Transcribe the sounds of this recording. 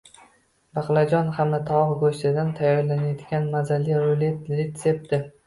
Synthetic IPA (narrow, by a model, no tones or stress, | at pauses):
baqlˠad͡ʒɒnhamnat̪ʰaɒʁɡoʃt̪ɪd̪ant̪ʰajːɒɾlanajad̪ɡʲanmazalːiɾolet̪ɾet̪sep̚t̪ɪ